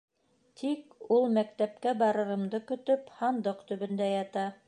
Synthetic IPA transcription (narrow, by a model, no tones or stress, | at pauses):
t̪ʰikulˠmæk̚t̪æp̚kæbɑɾɤ̆ɾɤ̆md̪ɤkɵ̆t̪ɵphɑnd̪ɤqt̪ɵ̆βɵ̆nd̪æjɑt̪ɑ